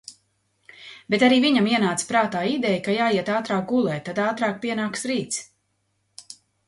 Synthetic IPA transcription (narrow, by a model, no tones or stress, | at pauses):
bet̪aɾiːviɲamiɛnaːt̪spɾaːt̪aːid̪ɛjkajaːjiɛt̪aːt̪ɾaːk̚ɡulˠɛːt̪ad̪aːt̪ɾaːk̚piɛnaːksɾiːt̪s